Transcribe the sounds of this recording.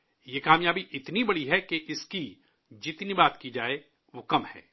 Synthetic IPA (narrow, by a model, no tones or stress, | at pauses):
jekaːmjaːbiʔɪt̪nibɐɽiɦɛkeʔɪski | d͡ʒɪt̪nibaːt̪kid͡ʒaːe | ʋoːkɐmhɛ̰ː